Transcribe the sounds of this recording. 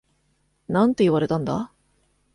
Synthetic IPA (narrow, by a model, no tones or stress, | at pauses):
nãnt̪o̞iβaɾe̞t̪ãnd̪a̰